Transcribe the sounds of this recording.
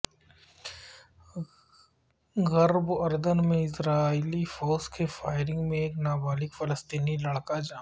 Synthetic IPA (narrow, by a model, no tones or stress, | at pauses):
ɣɐɾbɐɾd̪ənmẽɪsɾaːiːlifoːskefaːɪɾɪ̃ŋɡmẽeːknaːbaːlɪkfɐləst̪iːnilɐɽkad͡ʒaː